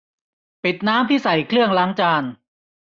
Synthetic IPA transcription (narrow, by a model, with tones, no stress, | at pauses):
pi˨˩t̪̚naː˦˥mt̪ʰiː˥˩sa˨˩jkʰlɯ˥˩əŋlaː˦˥ŋt͡ɕaː˧n